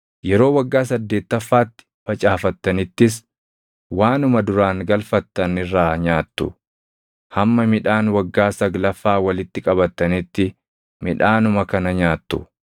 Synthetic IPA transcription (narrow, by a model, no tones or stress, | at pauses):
jɛɾo̞ːwɐɡːaːs̬ɐd̪ːe̞ːt̪ːɐfːaːt̪ːɪ̥fɐt͡ʃʼaːfɐt̪ːɐnɪt̪ːɪs̬ | waːnʊmɐd̪ʊɾaːŋɡɐlfɐt̪ːɐnɪrːaːɲaːt̪ːʊ̰ | hɐmːɐmɪᶑaːnwɐɡːaːsɐɡlɐfːaːwɐlɪt̪ːɪkʼɐbɐt̪ːɐnɪt̪ːɪ | mɪᶑaːnʊmɐkɐnɐɲaːt̪ːʊ̰